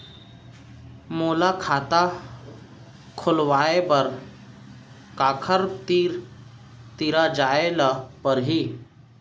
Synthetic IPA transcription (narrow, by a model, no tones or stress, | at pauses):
moːlakʰaːt̪a | kʰʊlʋaːebəɾ | kaːkʰəɾt̪iɾ | t̪iɾad͡ʒaelapəɾɦi